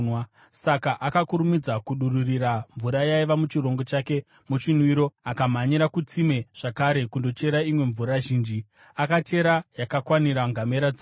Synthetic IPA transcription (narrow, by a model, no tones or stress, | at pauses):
nwa | sakaʔakakuɾumid͡zakuɗururiraɱvuɾajaiʋamut͡ʃiro̞ŋɡo̞t͡ʃaːke̞ | mut͡ʃinwiɾo̞akamaɲiɾakut͡sime̞ʐ̥akaɾe̞kundo̞t͡ʃe̞ɾaimwe̞ɱvuɾaʒiːnd͡ʒi | akate̞ɾajakakwaniɾaŋɡame̞ɾad͡zi